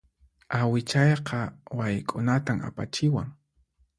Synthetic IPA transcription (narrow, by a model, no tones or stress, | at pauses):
awɪt͡ʃɑjqʰɑwajkʼʊnat̪ama̰pa̰t͡ʃɪwaŋ